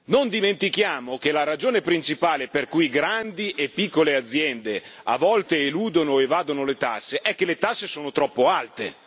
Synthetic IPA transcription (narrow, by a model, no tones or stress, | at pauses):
nond̪iment̪ikjaːmok̟elaɾad͡ʒoːnepɾint͡ʃipaːleperkujɡɾand̪iʔepːikːolead̪zːjɛnd̪ea̰vːɔlt̪eːluːd̪onoevaːd̪onolet̪asːeʔɛk̟ːelet̪asːesoːnot̪ɾɔpːoalt̪ḛ